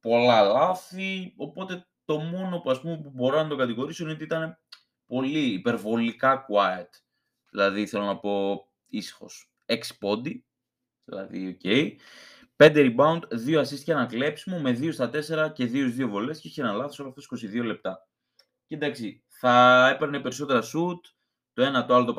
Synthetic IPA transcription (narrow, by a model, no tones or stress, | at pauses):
po̞lɐlɐθio̞po̞t̪e̞ | t̪o̞mo̞no̞puɐspume̞pubo̞ɾonɐt̪o̞ɡɐt̪iɣo̞ɾisoino̞t̪iit̪ɐne̞ | po̞liːpe̞ɾvo̞likɐkuɐjɐt̪ | ðilɐðiθe̞lo̞nɐpo̞ | isi̥xo̞̰s | eksi̥po̞nd̪i | ðilɐ̰ðḭo̞ce̞j | pe̞nd̪eɾibɐunt̪ðioɐsist̪içɐnɐkle̞psimome̞ðio̞st̪ɐt̪e̞se̞ɾɐce̞ðiozðio̞vo̞le̞sceiçeenɐlɐθoso̞loɐft̪osi̥ko̞siðio̞le̞p̚t̪ɐ | cend̪ɐksi | θɐepeɾnepe̞ɾiso̞t̪e̞ɾɐsut̪ | t̪o̞e̞nɐt̪oɐlo̞t̪̬o